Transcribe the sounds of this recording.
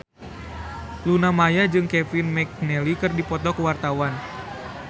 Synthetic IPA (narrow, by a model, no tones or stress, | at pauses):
lunamajad͡ʒɨŋkɛfinmɛk̚nɛlikɨrdipɔt̪ɔkuwart̪awan